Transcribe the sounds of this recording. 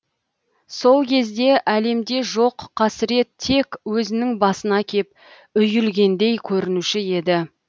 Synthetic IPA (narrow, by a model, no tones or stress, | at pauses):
so̞lˠkʲʰe̞zd̪e̞ʔæle̞md̪e̞ʒo̞qʰːɑsɪɾe̞t̪ʰːe̞kwɵzɪnɪŋbɑsənɑkʲʰe̞p̚ | ʏjʏlɡʲe̞nd̪e̞jkʲʰɵɾɪnuʃɪe̞d̪ɪ